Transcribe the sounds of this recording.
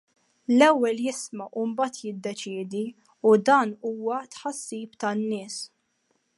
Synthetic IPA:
lɛwːɛljɪsmɐʔumbɐːt̪jɪd̪ːɛt͡ʃɪːd̪i | ud̪ɐːnuːwɐt̪ħɐsːiːpt̪ɐnːɪːs

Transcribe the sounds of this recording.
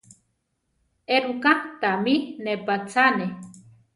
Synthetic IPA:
eɾukant̪aminepat͡sane

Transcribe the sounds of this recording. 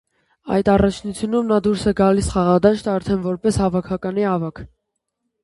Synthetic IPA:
ɑ̰jd̪ɑrɑt͡ʃʰnut͡sʰjunumnɑd̪uɾsɛɡɑlisχɑʁɑd̪ɑʃt̪ɑɾt̪ʰɛnvɔɾpɛshɑvɑkʰɑkɑniɑvɑkʰ

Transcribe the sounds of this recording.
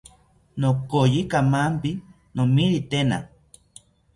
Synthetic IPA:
nokojikamampi | nomiɾit̪ena̰

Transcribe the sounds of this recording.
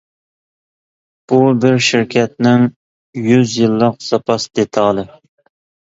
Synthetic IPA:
b̥ubɪɾʃiɾkʲʰɛt̪̚nɪŋ | jyzjɨlˠːəqsɑpʰɑsd̪et̪ʰɑːlˠɨ

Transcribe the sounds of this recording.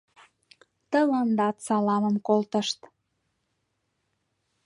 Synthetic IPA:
t̪ələnd̪ɑt̪sɑlɑməmkolt̪ə̆ʃt̪

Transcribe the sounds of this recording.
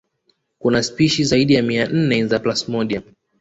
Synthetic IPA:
kunaspiʃizaiɗijamian̩nɛzaplasmɔɗiam

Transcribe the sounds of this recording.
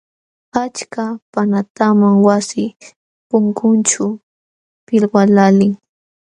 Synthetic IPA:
at͡ʃkapanat̪amaŋwasɪ | pʊŋkʊnt͡ʃʊ | pɪlwalalɪŋ

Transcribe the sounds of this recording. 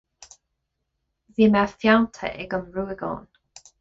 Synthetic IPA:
ðiːmɛfjawntʰə̰ʔɪɡəmɹuːɪɡɔ̰ːn

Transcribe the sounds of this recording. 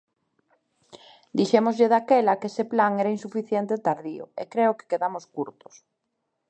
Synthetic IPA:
d̪iʃemozʎeðakelɐkesɪplaŋeɾainsufiθjent̪et̪aɾðiʊ̰ḛkɾeʊke̥keðamoskuɾt̪ʊ̥s

